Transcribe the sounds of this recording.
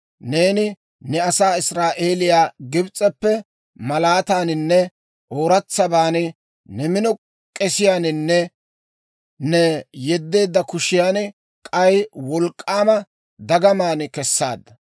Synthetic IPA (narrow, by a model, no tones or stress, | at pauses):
ne̞ːnɪ | nɛɐsaːɪsɾaːʔeːlɪjaːɡɪbt͡sʼːɛpːɛ | mɐlaːt̪aːnɪnːɛ | ʔoːɾɐt͡sːɐbaːnɪ | nɛmɪnɔ | kʼɛsɪjaːnɪnːɛ | nɛjɛd̪ːe̞ːd̪ːɐkʊʃɪjaːn | kʼɐjwɔlkʼːaːmɐ | d̪ɐɡɐmaːnɪkɛsːa̰ːd̪ːɐ